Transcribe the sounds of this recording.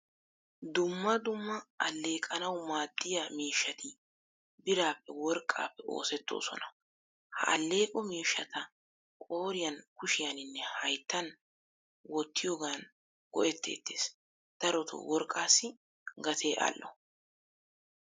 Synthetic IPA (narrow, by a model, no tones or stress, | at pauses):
d̪ʊmːɐd̪ʊmːɐːlːe̞ːkʼɐnɐwmaːd̪ːɪjɐmiːʃːɐt̪ɪ | bɪɾaːpːɛwɔɾkʼːa̰ːpːɛʔo̰ːsɛt̪ːo̞̰ːsɔ̰nɐ | hɐ̰ɐ̰lːe̞ːkʼɔmiːʃːɐt̪ɐ | kʼo̞ːɾɪjɐnkʊʃɪjɐnɪnːɛhɐjt̪ːɐn | wɔt̪ːɪjoːɡan | ɡ̥ɔ̰ʔɛt̪ːe̞̰ːt̪ːeːs | d̪̥ɐɾɔt̪ʰʊ̰wɔɾkʼːaːsːɪ | ɡɐt̪ʰe̞ːʔa̰ːlːʔɔ̰